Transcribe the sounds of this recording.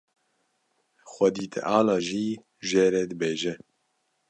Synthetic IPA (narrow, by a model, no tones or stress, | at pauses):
xʷɛd̪iːt̪ʰɛ̰ʔaːlaːʒiː | ʒeːɾɛd̪ɨbeːʒɛ